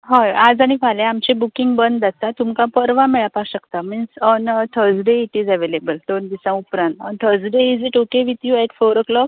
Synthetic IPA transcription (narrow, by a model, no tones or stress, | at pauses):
ɦajad͡zaɽ̃ifalẽamt͡ɕẽbukĩŋɡbənd̪d͡zat̪at̪umkãpəɾʋãmɛɭapaɕəkt̪aminsɔnət̪ʰəd͡zɖeiʈid͡zɛʋelebəld̪ond̪isãupɾãnt̪ɔnt̪ʰəd͡zɖeid͡ziʈokeʋit̪juɛʈfoɾəklɔk